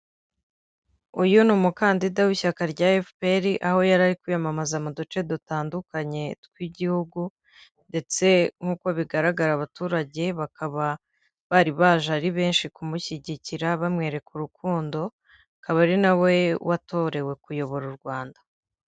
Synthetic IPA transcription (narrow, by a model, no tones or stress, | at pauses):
ujunumukaːndidawiçakaɾɟaefpeɾiʔaho̞jaɾaɾikujamamazamudut͡ʃe̞dutaːndukaɲe̞tkwiɟihuɡu | nde̞t͡se̞ŋ̥uːko̞βiɡaɾaɡaɾaβatuːɾaɟe̞βakaβa | βaɾiβaʒaɾiβe̞ːnʃikumuçiɟiciɾaβamŋe̞ːɾe̞kuɾukuːndo̞ | akaβaɾinawe̞wʔato̞ɾe̞we̞kujo̞βo̞ɾuɾɡwaːndḁ